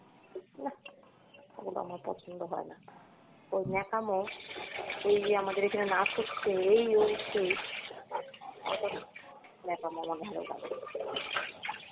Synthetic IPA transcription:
na | ḛɡolo̰a̰maɾpɔ̰t͡ɕʰond̪oɦɔena | ojnɛkamɔ | ejamad̪eɾekʰanenasʰoktʰeejojʃej | ɔ̰t̪o | nɛkamɔamaɡɦaɾḛwɡa̰ɡḛ

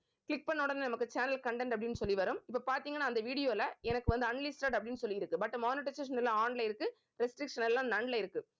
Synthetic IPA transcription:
klɪk̚pɐɳːɔːɽɐnd̪ɯnɐmɐkːɯt͡ʃaːnɐlkɐɳɖɛɳɖɐpɐɽɪnːɯsɔlːiʋɐɾɯmɪpːopaːɾt̪iːŋɡɐnːaːnd̪ɐʋiːɽɪjoːɪlɐɛnɐkːɯʋɐnd̪ɯɐɳlisʈaːʈɐpːɐɽɪnːɯsɔlːiɪɾɯkːɯbɐʈːmaːnɪʈːɐseːʂ̬ɐnɛlːãaːɳɖlɐɪɾɯkːɯ | ɾɛsʈɾɪkʂɐnɛlːãːnɐɳlɐːɪɾɯkːɯ

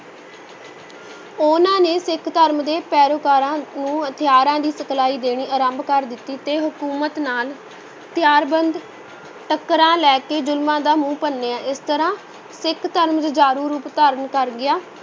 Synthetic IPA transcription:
ʊnãːneːsɪkʰt̪əɾmd̪eːpɛːɾoːkaːɾãːnũːɦət̪ʰɪjaːɾãːd̪iːsəkʰlaːiːd̪eːɽ̃iːʔəɾəmbkəɾd̪ɪt̪ːiːt̪eːɦʊkuːmət̪naːl | t̪ɪjaːɾbənd̪ | ʈəkːəɾãːlɛːkeːd͡ʒʊlmãːd̪aːmũːpənːeːaːʔɪst̪əɾãː | sɪkʰt̪əɾmd͡ʒd͡ʒaːɾuːɾuːpt̪aːɾənkəɾɡɪjaː

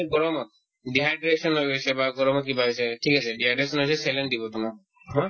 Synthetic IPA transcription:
ɡɔɾɔmɔt̪̚ | ɖiɦaɖɾesɔnɦojojt͡ʃʰebaɡɔɾɔmɔt̪̚kibʱabit͡ʃʰeʈʰikasʰeɖiɦaɖɾesɔnɦojt͡ʃʰeselend̪ibɔt̪ɔma | ɦɔ̃

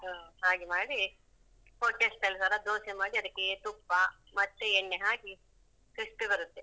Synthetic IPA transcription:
aːɦaːɡimaːɽi | poːʈːesʈ̪ɐlsaːɾɐd̪oːsemaːɽiɐd̪ɐkːet̪upːa | mɐt̪ːeeɳːeɦaːɡi | kɐʂʈibɐɾut̪ːe

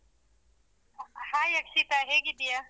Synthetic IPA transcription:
hãːjɐkʃit̪aɦeːɡid̪ija

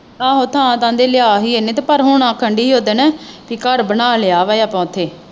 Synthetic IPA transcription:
ãːɦoːt̪ʰãːt̪ãːnd̪eːleaːɦiːenẽːt̪eːpəɾɦʊɳãːkʰəɳɖiːiːɦoːd̪eːnɛ̃ːpiːkəɾbənaːleaːʋaːjaːpɔ̃ːt̪ʰeː

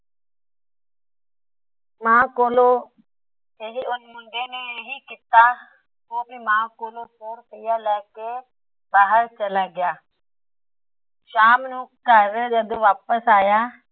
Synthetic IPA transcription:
mãːkoːlo | eɦiʊnmʊ̃nd̪eneɦikit̪a | koːbʱimãːkoːlosoːɾpəjaːlɛːke | baːɦəɾt͡ʃəlaɡɪjaː | ʃaːmnũkəɾd͡ʒəd̪ʋaːpəsaːjaː

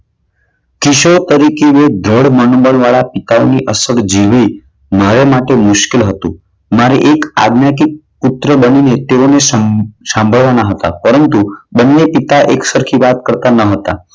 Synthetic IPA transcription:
kiʃot̪əɾikeʋed̪ʱɾəɽmənobənʋaɭapit̪aoniʔəsəɾd͡ʒiʋi | maɾemaʈemʊʃkelɦət̪ũ | maɾḛʔeka̰ɡnjakik̚ | pʊt̪ɾəbəninet̪eonesəsãmbʱəɭʋanaɦət̪a̰pəɾənt̪ubənːepit̪aʔeksəɾkʰiʋat̪̚kəɾt̪anəɦət̪a̰

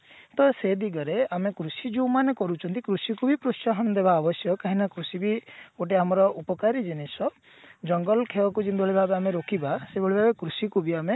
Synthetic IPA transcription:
t̪ɔsed̪iɡɔɾeamekɾusid͡ʒumanekɔɾut͡ʃʰɔnt̪ikɾusikubipɾust͡ʃaɦɔnɔd̪ebaːbɔsjɔkaɦinakɾusibioʈ̬iamɔɾɔʔupɔkaɾid͡ʒinisɔ | d͡ʒɔŋɡɔlkʰewɔkud͡ʒinb̪ʱɔɭibʱabeameɾokʰibasebʱɔɭibʱabekɾusikʰubiame

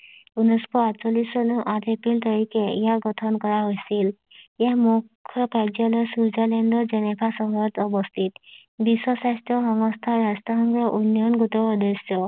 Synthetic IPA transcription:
unɔskɔatsɔlisɔnuʔat̪epilt̪ɔɹikeḭjaɡɔt̪ʰɔnkɔɹaɦojsil | aɦmukʰːjɔkajd͡ʒɔlɔjsuzalɛndɔd͡ʒɛnepʰasɔɦɔjɔt̪ɔbɔst̪ʰit̪biswɔsastɔxɔŋɔst̪ʰaɹastɔɦɔŋɡɹɔʔunjɔnɡut̪ɔɔd̪esjɔ

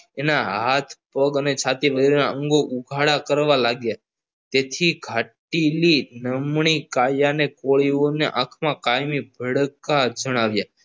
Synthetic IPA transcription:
enaɦat̪ʰpəɡənet͡ʃʰat̪iʋəɡɾonaəŋɡoʔuɡʱaɽakəɾʋalaɡja | t̪et̪ʰiɡʱaʈilinəmɳ̃ikajanekoɭioneʔakʰmãkajmibʱəɽkad͡ʒəɽ̃aʋja

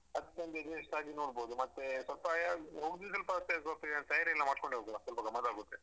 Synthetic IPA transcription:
ɐd̪ɐkʲːeɐnd̪ed͡ʒeʂsaːd͡ʒinoːɽboːd̪umɐt̪ːesʋɐlpɐjaɦoːɡd̪is̬ɐlpɐt̪ːes̬ɐlp̪ident̪ɐjaɾeɛlːɐmaːɖkoɳɖiɦoːɡ̪asɐlpɐɡɐmɐd̪aːɡut̪ːe

